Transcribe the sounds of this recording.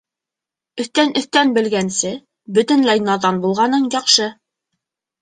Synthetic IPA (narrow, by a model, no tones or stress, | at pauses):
ɵ̆θt̪ænɵ̆θt̪ænbɘ̆lɡænsɘ | bɵ̆t̪ɘ̆nlæjnɑðɑnbulˠʁɑnɤɴjɑqʃɤ